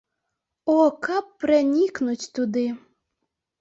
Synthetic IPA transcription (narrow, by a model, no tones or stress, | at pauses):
okɑpːrenʲiknutʲt̪ud̪ɨ